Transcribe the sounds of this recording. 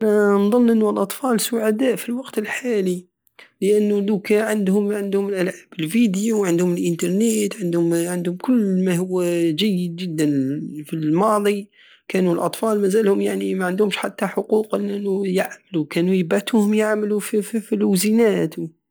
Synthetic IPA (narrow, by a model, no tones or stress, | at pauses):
ʔnanðˤɑnːʔənːulʔɑt̪ˤfɑːlsʊʕad̪aːʔfilwɑɡt̪əlħaːli | ləʔanːʊlukæʕand̪hʊmʕɪnd̪hʊmɪlʔælʕaːbɪlfid̪juwʕɪnd̪hʊməlʔənt̪ɑɾˤnet̪ʕɪnd̪hʊmʕɪnd̪hʊmkʊlːmaɦʊwːaʒæjːɪd̪ʒɪd̪ːænfilmɑːðˤi | kæːnulʔɑt̪ˤfɑːlmæzæːlhʊmjaʕnimaʕɪnd̪ʊmʃħat̪ːaħʊquːqʔɪlʔnːujaʕməlukæːnujɪbat̪uhʊmjaʕmlufifiluzinaːt̪w